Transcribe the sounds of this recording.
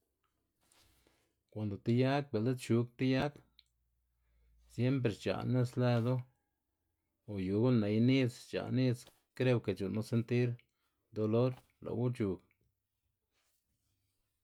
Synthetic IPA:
kʷa˨nd̪o˨t̪i˧ja˦k̚be˨ld̪e˦t̪t͡ʃu˧˦k̚t̪i˦ja˦k | sje˦mp̬ɾe˨t͡ʃa̰˨ne˦˧sle˧d̪o˦ | o˨ju˨ɡu˦ne˨˧jni˦t͡st͡ʃa̰˨ni˦˧t͡s | kɾe˧wke˨t͡ʃu˨nu˧˦se˧nt̪i˦ɾ | d̪o˧lo˦ɾ | lo̰˨wu˦t͡ʃu˨k

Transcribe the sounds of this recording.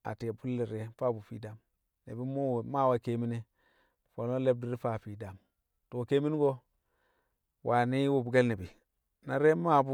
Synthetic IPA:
a̰˨te˨pu˦lːi˨ɾe˨fa˦˨bu˨fḭ˦da˦m | nḛ˨bi˦mu˦˨ma˦˨wa˨ke˦mi˦ne˦ | fo˨no˦le˦b̚di˦ɾi˦fa˦˨fi˨da˨m | to˨ke˦mi˦n˦ɡo˦ | wʔa˨ni˦wu˨bu˨ɡe˦lne˨bi˨ | na˨ɾe˦ma˦˨bu˦

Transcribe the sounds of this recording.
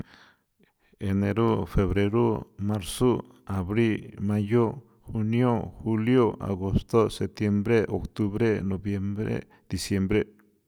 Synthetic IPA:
e˨ne˨ɾo˦fe˨βɾe˧ɾo˦ma˦ɾso˦ | a˨βɾi˦lma˧jo˦ | xu˧njo˦xu˧ljo˦ʔa̰˨ɣo˧st̪o˦se˨p̚t̪je˧mbɾe˦ʔo˨kt̪u˧βɾe˦no˨bje˧mbɾḛ˦ | d̪̥i˨sje˧mbɾe˦

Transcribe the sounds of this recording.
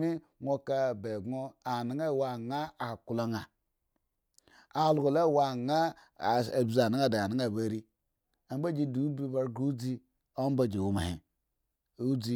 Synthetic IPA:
mi˦ŋʷo˦ka˦˨be˨ɡo˦a˨ni˨˦ŋa˦˨wa˨ŋa˦a˨ku˨lo˦ŋa˨ | a˨lu˨ɡo˨le˦˨wa˨ŋa˦˨ | bza˨na˦a˦da˨a˨ni˨˦ŋa˦˨be˨ɾi˦ | a˨m˦ba˦d͡ʒi˦du˨˦bi˦ba˦ɾɡu˦d͡zi˦ | o˦m˦ba˦d͡ʒe˨wu˦ma̰˨hḭ˨ | u˦d͡zi˦

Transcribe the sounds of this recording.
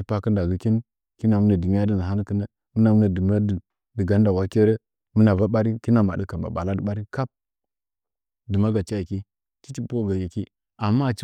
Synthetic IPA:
i˨pa˦kə˦nda˨ɡi˨ki˦n˦ | ki˦na˨mu˦na˨di˨mi˦ja˦di˦n˨ɦa˦n˦kə˦na˦ | mu˦na˨mu˦na˨də˨m˦a˦də˨ | də˨ɡa˦nda˨wa˦ke˦ɾe˦ | mu˦na˨va˦ɓa˦ɾi˦ki˦na˨ma̰˨də˦ka˨mba̰˨ɓa̰˨la˦də˨ɓa˦ɾi˦ka˦p̚ | də˨ma˦ɡa˨t͡ʃa˦ji˨ki˦ | t͡ʃi˦t͡ʃi˦po˦˨ɡa˨ji˨ki˦ | a˨mːa˦˨t͡ʃ

